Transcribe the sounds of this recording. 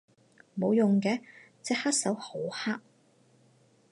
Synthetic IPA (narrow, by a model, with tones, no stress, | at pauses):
mo˨˧wjʊ˨ŋkɛː˨˧ | t͡sɛː˧haː˥t̚sɐ˨˥who˨˥whaː˥k̚